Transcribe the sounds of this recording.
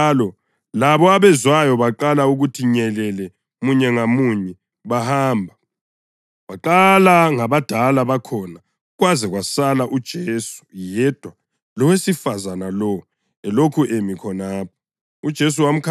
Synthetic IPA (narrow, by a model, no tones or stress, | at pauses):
lɔ | laβɔaβɛzwajɔβaǃalauɣutʰiɲɛlɛlɛ | muɲɛŋamuɲɛ | βahaːmbʱa | βaǃalaŋaβad̥ʱalaβakʰɔna | ɣwazɛɣwasalaʔud̥ʒ̥ʱeːsu̥jɛd̥ʱwa | lɔwesifazanalɔ | ɛlokʰuʔemikʰɔnaːp̚ʰɔ̥ | ud̥ʒ̥ʱes̬uwam̩kʰ